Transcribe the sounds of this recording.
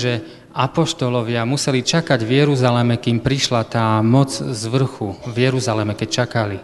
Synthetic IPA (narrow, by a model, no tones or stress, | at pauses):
ʒɛ | apɔʃt̪ɔlɔʋɪamusɛlit͡ʃakaɟvjɛɾuzalɛmɛkiːmpɾiʃlat̪aːmɔt͡szʋr̩xuvjɛɾuzalɛmɛkɛc̚t͡ʃakali